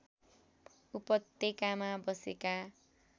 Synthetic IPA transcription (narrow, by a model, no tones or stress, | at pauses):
upʌt̪ːekamabʌseka